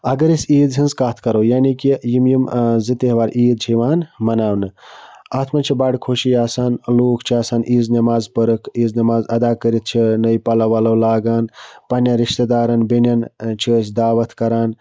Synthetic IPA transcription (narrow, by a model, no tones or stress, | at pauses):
ɐɡɐɾisiːd̪ɦinzkaːt̪ʰkɐɾɐwjaːnikijimjimzit̪eɦʋaːɾʔiːd̪̚d͡ʒʰʱiʋaːnmɐnaːwnɨaːt̪ʰmɐnt͡ʃʰibaːɽkʰoːʃiaːsaːnloːkʰt͡ʃʰiaːsaːniːznɐmaːzpəɾɨkʰiːznɐmaːzɐd̪aːkəɾit̪̚t͡ʃʰinɐjpɐlɐʋɐlɐwlaːɡaːnpɐnjaɾiʃt̪ɐd̪aːɾɐnbinjɐnt͡ʃʰit͡ʃʰd̪aːʋɐt̪ʰkɐɾaːn